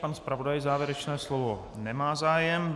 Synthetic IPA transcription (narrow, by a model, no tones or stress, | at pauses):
panspɾavo̞dajzaːvjɛɾɛt͡ʃnɛːslovo | nɛmaːzaːjɛm